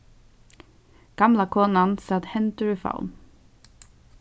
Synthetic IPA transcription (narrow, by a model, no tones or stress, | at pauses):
ɡ̥ɑmlɑkʰoːnɑnsɑd̪hɛnt̪əɹʉfa̰ʊ̰n